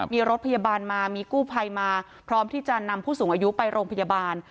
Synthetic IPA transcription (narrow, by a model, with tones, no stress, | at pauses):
miː˧ɾo˦˥t̪̚pʰa˧jaː˧baː˧nmaː˧miː˧kuː˥˩pʰa˧jmaː˧ | pʰɾɔː˦˥mt̪ʰiː˥˩t͡ɕa˨˩na˧mpʰuː˥˩suː˩˦ʔa˧ju˦˥pa˧jɾoː˧ŋpʰa˧jaː˧baː˧n